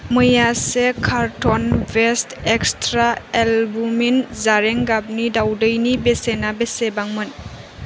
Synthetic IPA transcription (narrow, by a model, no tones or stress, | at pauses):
mɯjasekʰaɾtʰɔnbʱestekstɾaelbuminzaɾeŋɡab̚nidawdɯjnibesenabesebaŋmɯn